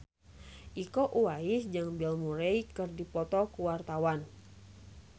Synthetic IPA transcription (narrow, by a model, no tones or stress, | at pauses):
ʔikoʔuwaisd͡ʒaŋbɛlmuɾejkɨrdipɔt̪ɔkuwart̪awan